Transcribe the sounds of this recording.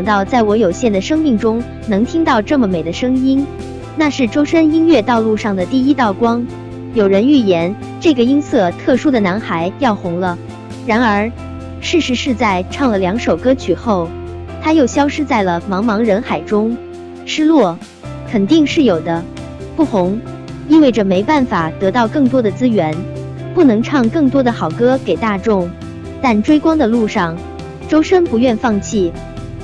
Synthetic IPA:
jɑ˨˩ŋt̪ɑ˥˧ʊt͡sa˥˩ɪwɔ˧˥jo˨˩ʊɕjɛ˥˩nd̪ə˩ʂɤ˥ŋmi˥˩ŋʈ͡ʂʊ˥ŋ | nɤ˧˥ŋt̪ʰi˥ŋt̪ɑ˥˧ʊʈ͡ʂɤ˥˩mə˩me˨˩ɪd̪ə˦ʂɤ˥ŋi˥n | na˥˧ʂɻ̩˥˩ʈ͡ʂo˥ʊʂə˥ni˥nɥɛ˥˧t̪ɑ˥˧ʊlu˥˧ʂɑ˥˩ŋd̪ə˩t̪i˥˩i˥t̪ɑ˥˩ʊkwɑ˥ŋ | jo˨˩ʊɻə˧˥ny˥˩jɛ˧˥n | ʈ͡ʂɤ˥˩ɡə˩i˥nsɤ˥˩t̪ʰɤ˥˩ʂu˥d̪ə˨na˧˥nxa˧˥ɪjɑ˥˩ʊxʊ˧˥ŋlə˧ | ɻa˧˥nə˞˧˥ | ʂɻ̩˥˩ʂɻ̩˧˥ʂɻ̩˥˧t͡sa˥˧ɪʈ͡ʂʰɑ˥˩ŋlə˩ljɑ˧˥ŋʂo˨˩ʊkɤ˥t͡ɕʰy˨˩xo˥˩ʊ | t̪ʰa˥jo˥˩ʊɕjɑ˥ʊʂɻ̩˥t͡sa˥˩ɪlə˩mɑ˧˥ŋmɑ˧˥ŋɻə˧˥nxa˨˩ɪʈ͡ʂʊ˥ŋ | ʂɻ̩˥lwɔ˥˩ | kʰə˨˩nt̪i˥˧ŋʂɻ̩˥˩jo˨˩ʊd̪ə˦ | pu˥˩xʊ˧˥ŋ | i˥nwe˥˩ɪʈ͡ʂə˩me˧˥ɪpa˥˩nfa˨˩t̪ɤ˧˥t̪ɑ˥˧ʊkɤ˥˩ŋt̪wɔ˥d̪ə˨t͡sɹ̩˥ɥɛ˧˥n | pu˥˩nɤ˧˥ŋʈ͡ʂʰɑ˥˩ŋkɤ˥˩ŋt̪̬wɔ˥d̪ə˨xɑ˨˩ʊkɤ˥ke˨˩ɪt̪a˥˧ʈ͡ʂʊ˥˩ŋ | t̪a˥˩nʈ͡ʂwe˥ɪkwɑ˥ŋd̪ə˨lu˥˧ʂɑ˥˩ŋ | ʈ͡ʂo˥ʊʂə˥npu˧˥ɥɛ˥˧nfɑ˥˧ŋt͡ɕʰi˥˩

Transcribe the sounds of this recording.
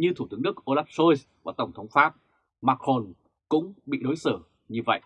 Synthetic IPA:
ɲɨ˧t̪ʰu˧˩t̪ɨ˨˦əŋnɨ˦˥ək̚ʔo˧laː˦˥p̚so˧js | vaː˨˩t̪ə˧˩wŋ͡mt̪ʰə˨˦wŋ͡mfaː˦˥p̚ | maː˧˥kxo˧n | kʊ̰˧˥ŋ͡mɓḭ˧˨ɗo˨˦jsɨː˧˩ | ɲɨ˧və̰˧˨jʔ

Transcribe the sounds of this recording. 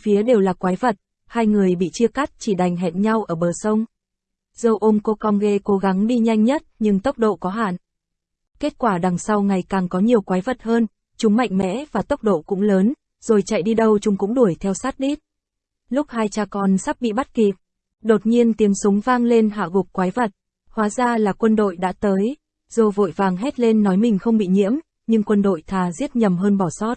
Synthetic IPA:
fi˨˦əɗe˨˩wlaː˨˩kwaː˨˦jvə˨˩t̚ | haː˧jŋɨ˨˩əjɓḭ˧˨t͡ɕi˧əka˦˥t̚t͡ɕi˧˩ɗa˨˩jŋ̟ɦɛ˨˩t̚ɲa˧wʔəː˧˩ɓəː˨˩sə˧wŋ͡m | z̥ə˧˩wʔo˧mko˨˦kɔ˧nɣe˧ko˨˦ɣa˨˦ŋɗi˧ɲa˧jŋ̟ɲə˦˥t̚ɲɨ˧ŋt̪ə˦˥wk͡p̚ɗo̰˧˨kɔ˨˦ɦa̰ː˧˨n | ke˦˥t̚kwaː˧˩ɗa˨˩ŋsa˧wŋa˨˩jkaː˨˩ŋkɔ˨˦ɲi˨˩əwkwaː˨˦jvə˨˩t̚həː˧n | t͡ɕʊ˨˦ŋ͡mma̰˧˨jŋ̟mɛ̰˧˥vaː˨˩t̪ə˦˥wk͡p̚ɗo̰˧˨kʊ̰˧˥ŋ͡mləː˨˦n | z̥o˨˩jt͡ɕa̰˧˨jɗi˧ɗə˧wt͡ɕʊ˨˧˦ŋ͡mkʊ̰˧˥ŋ͡mɗu˧˩əjt̪ʰɛ˧wsaː˦˥t̚ɗi˦˥t̚ | lʊ˦˥k͡p̚haː˧jt͡ɕaː˧˩kɔ˨˩nsa˦˥p̚ɓḭ˧˨ɓa˦˥t̚ki˨˩p̚ | ɗo˨˩t̚ɲi˧ənt̪i˨˦əmsʊ˨˦ŋ͡mvaː˧ŋle˧nɦa̰ː˧˨ɣʊ˨˩k͡p̚kwaː˨˦jvə˨˩t̚ | hwaː˨˦zaː˧laː˨˩kwə˧nɗo̰˧˨jɗa̰ː˧˥t̪əː˨˦j | z̥o˨˩vo̰˧˨jvaː˨˩ŋɦɛ˦˥t̚le˧nːɔ˨˦jmï˨˩ŋ̟xə˧wŋ͡mɓḭ˧˨ɲḭ˧˥əm | ɲɨ˧ŋkwə˧nɗo̰˧˨jt̪ʰaː˨˩zi˦˥ət̚ɲə˨˩mɦəː˧nɓɔ˧˩sɔ˦˥t̚

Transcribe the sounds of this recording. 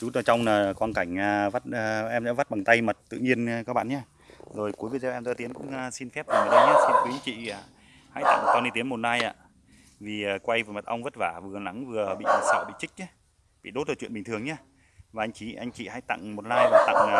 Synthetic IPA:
zu˨˦tːt͡ɕɔ˧wŋ͡mnaː˨˩˨kwaː˧nka˧˩jŋ̟aː˨˩va˦˥t̚əː˧ʔɛ˧mzɛ̰˧˥va˦˥t̚ɓa˨˩ŋt̪a˧jmə˨˩t̚t̪ɨ̰˧˨ɲi˧ənː˧kɔː˦˥ɓa̰ː˧˨nɲaː˨˧ | zo˨˩jku˨˦jvi˨˦˩zʔɛ˧mt̪ɔ˧t̪i˨˦nkʊ̰˧˥ŋ͡ma˧si˧nfɛ˦˥p̚va˨˩m˨˩ɗə˧wɲaː˦˥si˧kwi˨˦ə˧ŋt͡ɕḭ˧˨a˨˩ | ha̰˧˥jt̪a̰˧˨ŋ˨k̪ɔ˧ni˧t̪i˨˦ənmo˨˩t̚laː˧jʔa̰ː˧˨ | vi˨˩aː˨˩kwa˧jvːmə˨˩t̚ʔa˧wŋ͡mvə˦˥t̚vaː˧˩vɨ˨˩əla˨˦ŋvɨ˨˩əɓḭ˧˨˧sa̰˧˨ɓḭ˧˨t͡ɕï˦˥k̟̚ɲa˧˦ | ɓḭ˧˨ɗo˦˥t̚zəː˨˩t͡ɕwḭ˧ənɓi˨˩ŋ̟t̪ɨ˨˩əŋɲaː˧ | vaː˨˩ʔa˧jŋ̟t͡ɕi˨˦ʔa˧jŋt͡ɕḭ˧˨ha̰ː˧˥jt̪a̰˧˨ŋmo˨˩t̚laː˧jvaː˨˩t̪a̰˧˨ŋː˨˩

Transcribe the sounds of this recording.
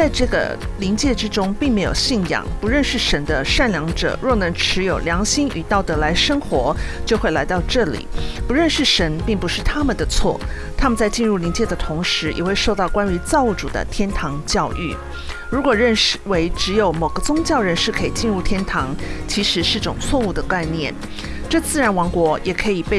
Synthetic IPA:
t͡sa˥˧ɪʈ͡ʂɤ˥˩ɡə̰˩ | li˧˥ŋt͡ɕjɛ˥˧ʈ͡ʂɻ̩˥ʈ͡ʂʊ˥ŋpi˥˩ŋme˧˥ɪjo̰˨˩ʊɕi˥˩njɑ̰˨˩ŋpu˧˥ɻə˥˧nʂɻ̩˥˩ʂə˧˥nd̪ə˧ʂa˥˩nljɑ˧˥ŋʈ͡ʂɤ̰˨˩ɻɔ˥˩nɤ˧˥ŋʈ͡ʂʰɻ̩˧˥jo˨˩ʊljɑ˧˥ŋɕi˥ŋʔy̰˨˩t̪ɑ˥˩ʊt̪ɤ˧˥la˧˥ɪʂɤ˥ŋxwɔ˧˥t͡ɕjo˥˧ʊxwe˥˩ɪla˧˥ɪt̪ɑ˥˧ʊʈ͡ʂɤ˥˩lḭ˨˩˦pu˧˥ɻə˥˧nʂɻ̩˥˩ʂə˧˥npi˥˩ŋpu˧˥ʂɻ̩˥˩t̪ʰa˥mə˨nd̪ə˩t͡sʰwɔ̰˥˩ | t̪ʰa˥mə˨nt͡sa˥˧ɪt͡ɕi˥˧nɻu˥˩li˧˥nt͡ɕjɛ˥˩d̪ə˨t̪ʰʊ˧˥ŋʂɻ̩˧˥jʔɛ̰˨˩xwe˥˧ɪʂo˥˧ʊt̪ɑ˥˩ʊkwa˥ny˧˥t͡sɑ˥˧ʊu˥˩ʈ͡ʂṵ˨˩d̪ə̰˦t̪ʰjɛ˥nt̪ʰɑ˧˥ŋt͡ɕjɑ˥˧ʊʔy̰˥˩ | ɻu˧˥kwɔ˨˩ɻə˥˩nʂwe˧˥ɪʈ͡ʂɻ̩˧˥jo˧˩ʊmo˨˩ɡə˦t͡sʊ˥ŋt͡ɕjɑ˥˩ʊɻə˧˥nʂɻ̩˥˩kʰɤ˧˥ḭ˨˩t͡ɕi˥˧nɻu˥˩t̪ʰjɛ˥nt̪ʰɑ˧˥ŋt͡ɕʰi˧˥ʂɻ̩˧˥ʂɻ̩˥˩˧ʈ͡ʂʊ̰˨˩ŋt͡sʰwɔ˥˧u˥˩d̪ə˩ka˥˧ɪnjɛ˥˩n | ʈ͡ʂɤ˥˧t͡sɹ̩˥˩ɻa˧˥nwɑ˧˥ŋkwɔ˧˥jɛ˨˩kʰɤ˧˥i˨˩pe˥˩

